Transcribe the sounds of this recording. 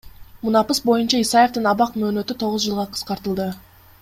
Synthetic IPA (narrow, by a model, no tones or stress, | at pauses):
munɑpɯsbo̞junt͡ʃɑisɑje̞ft̪ɯnɑβɑqmø̞ːnø̞t̪yt̪ʰo̞ʁuzd͡ʒɯlˠʁɑqʰɯ̥sqɑɾt̪ɯlˠd̪ɯ